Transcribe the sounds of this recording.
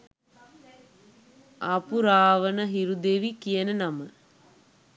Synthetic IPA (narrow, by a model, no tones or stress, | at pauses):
apuɾaːʋənəɦiɾud̪eʋikijənənamə